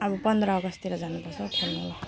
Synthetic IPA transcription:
ʌbupʌnd̪ɾʌːɡʌst̪iɾʌd͡zanupʌrt͡sʰʌkʰelnula

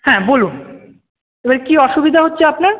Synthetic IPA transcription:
hɛ̃bolun | ebaɾkiɔʃubid̪ʱaɦotːɕʰeapna

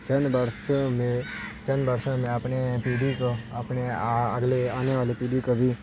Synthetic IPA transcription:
t͡ʃɐnbəɾsõmẽt͡ʃɐnbəɾsõmẽəpnepiːɖikoɐpneəɡleaːneʋaːlepiːɖikobʱi

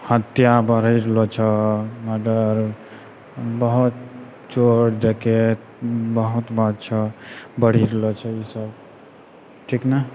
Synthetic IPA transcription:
hət̪jabəɽ̤əjɾelɔt͡ʃʰɛməɖəɾ | bəɦut̪̚ | t͡ʃoɾɖeket | bəɦut̪bad̪t͡ʃʰəbəɽ̤iɾelɔt͡ʃʰɛisəb | kikna

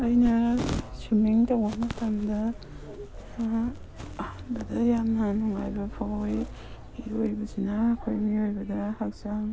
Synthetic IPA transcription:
ajnɐsumiŋtawbɐmatʰamdɐ | a | hanbɐdɐjamnɐnɔŋa̰jbɐpʰaoj | iojbɐsinaːkʰojmiojbɐdɐhak̚saŋ

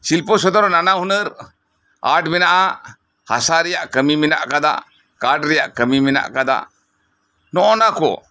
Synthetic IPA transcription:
silpɔsɔd̪ɔɾnanaɦunəɾ | a̰ɖmɛnaʔa | hasaɾɛjaʔkəmimina̰ʔkad̪a̰ʔ | kaɾɖɾɛja̰ʔkəmimɛna̰ʔkad̪a̰ʔ | nɔʔɔnakɔ̰

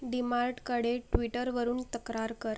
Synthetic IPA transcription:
ɖimaɾʈkəɽeʈʋiʈəɾʋəɾuːnt̪əkɾaɾkəɾ

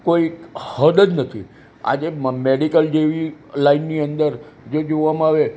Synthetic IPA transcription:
koihəd̪əd͡ʒnət̪ʰi | a̰d͡ʒemeɽikəld͡ʒeʋilainːiənd̪əɾ | d͡ʒod͡ʒoʋam̃aʋe

